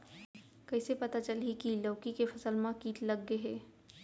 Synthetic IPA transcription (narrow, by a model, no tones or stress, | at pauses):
kɐɪsepɐt̪at͡ʃəlɦikiləːkikefʰɐsəlmãkiːʈlɐɡːeɦeː